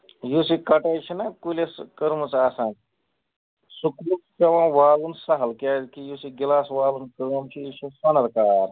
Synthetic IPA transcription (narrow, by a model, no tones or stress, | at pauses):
jusikɐʈajt͡ʃʰinakuleskəɾmət͡sasãːn | sukɾutɐʋãːʋaːlunsɐɦɐlkʲaːzkijusiɡilaːsʋaːlunkəmt͡ʃʰiiʃʰusɐnɐɾkaːɾ